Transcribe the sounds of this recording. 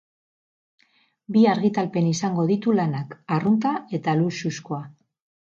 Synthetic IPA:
biaɾɣit̪alpe̞nisaŋɡo̞ðit̪ulanakarunt̪ae̞t̪aluʃusko̞a

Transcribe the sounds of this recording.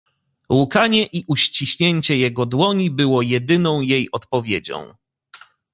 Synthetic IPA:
wukaɲɛʔiʔuɕt͡ɕiɕɲeɲʲt͡ɕɛjɛɡɔd̪wɔɲibɘwɔjɛd̪ɘnɔ̃w̃jejɔt̪̚pɔvʲjed͡ʑɔ̰̃w̃

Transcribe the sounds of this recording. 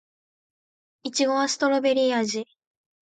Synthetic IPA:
it͡ɕiɡo̞asɨ̥t̪o̞ɾo̞be̞ɾʲiːaʑi

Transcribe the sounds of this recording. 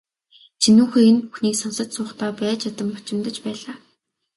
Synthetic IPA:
t͡ɕʰinuːxeːenpuxniːksɔnsə̆t̪sʊːχt̪ɔːpæːt͡ɕat̪ə̆mpɔt͡ɕɪ̆mt̪ə̆t͡ɕpæːɮaː

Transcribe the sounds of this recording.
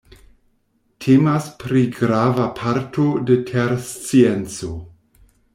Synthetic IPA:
tʰemaspɾiɡɾavapʰaɾtʰodetʰeɾst͡sient͡so

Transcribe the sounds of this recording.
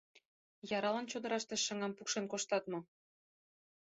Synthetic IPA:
jɑɾɑlɑnt͡ɕod̪ə̆ɾɑʃt̪eʃːə̆ŋɑmpukʃenkoʃt̪ɑt̪mo

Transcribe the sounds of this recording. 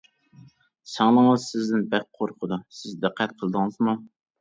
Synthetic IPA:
sɑŋlˠəŋəzsɪzd̪ɪnbɛk̚ʲqʰoɾqʰəd̪usɪzd̪ɪqʰːæt̪̚qʰəlˠɨd̪ɨŋɨzmu

